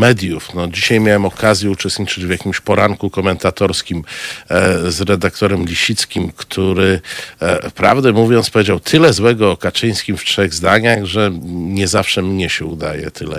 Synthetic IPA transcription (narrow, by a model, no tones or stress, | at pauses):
mɛd̪ʲjufnɔd͡ʑiɕajmʲjawɛmɔkʰazʲjɛut͡ʂɛst̪ɲit͡ʂɘd͡ʑvjakʲimɕpɔɾaŋkukɔmɛnt̪at̪ɔɾskʲim | zɾɛd̪akt̪ɔɾɛmlʲiɕit̪skʲimkt̪ʰuɾɘ | fpɾa̰vd̪ɛmuvʲjɔnt̪spɔvjed͡ʑawt̪ʰɘlɛzwɛɡɔːkat͡ʂɘj̃skʲimftʂɛɣzd̪aɲaɣʐɛɲɛzafʂɛmɲɛɕɛud̪a̰jɛ̰t̪ʰɘlɛ̰